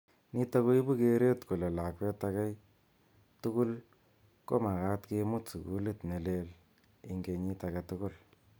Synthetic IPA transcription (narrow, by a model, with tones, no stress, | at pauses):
ni˦ta˦ko˦i˦bu˦ke˦ɾe˦tku˨le˨la˨kwe˦ta˧kɛ˦j | tu˦kʊ˦l | ko˦ma˨ɣa˦tke˧mʊ˦tsṵ˨kṵ˦le˦tne˨le˦l | i˦ŋɡe˧ɲi˦ta˧ke˧tʊ˦kʊ˦l